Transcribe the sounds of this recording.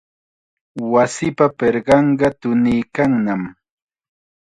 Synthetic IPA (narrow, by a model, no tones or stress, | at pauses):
wasɪpapeɾɢɑɴɢɑt̪ʊnijkaŋnam